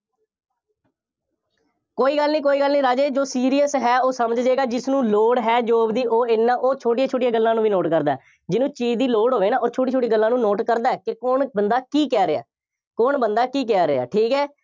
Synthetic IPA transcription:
koːiːɡəlːnĩːk̬oːiːɡəlnĩːɾaːd͡ʒeːd͡ʒoːsiːɾiːəsɦɛːoːsəməd͡ʒd͡ʒeːɡaːd͡ʒɪsnũːloːɽɦɛːd͡ʒoːbd̪iːʔoːɪnːãːʔoːt͡ʃʰoːʈijãːt͡ʃʰoːʈɪjãːɡəlːãːnũːʋiːnoːʈkəɾd̪aːɛː | d͡ʒɪnũːt͡ʃiːd͡ʒd̪iːloːɽɦoːʋeːnaːoːt͡ʃʰoːʈiːt͡ʃʰoːʈiːɡəlːãːnũːnoːʈkəɾd̪aːɛːkɪkoɳbənd̪aːkiːkɛːɾɪa̰ː | koɳbənd̪aːkiːkɛːɾea̰ːʈʰiːkɦɛː

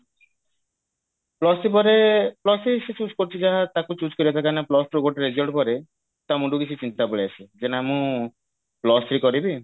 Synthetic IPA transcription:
plɔsɾipɔɾeplɔsɾiset͡ʃut͡ʃkɔɾt͡ʃʰid͡ʒaɦat̪akut͡ʃut͡ʃkɔɾibat̪ʰakaneplɔsʈɾoɡoʈeɾed͡ʒɔɭɖpɔɾe | t̪amũɖukit͡ʃʰit͡ʃint̪abɔɭiat͡ʃʰid͡ʒenamũ | plɔsɾikɔɾibi

